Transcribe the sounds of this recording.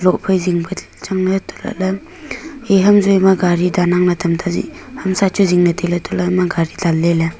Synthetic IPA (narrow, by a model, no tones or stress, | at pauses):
lɔʔpʰajziŋbɯ | t͡ʃaŋnɐtʰɔ̥la̰lɐ | eɦɐmzojmaɡaɾidanaŋnatʰɐmtʰazḭhamsat͡ʃʰuziŋnɐtʰelatʰɔlamaɡaɾidalːela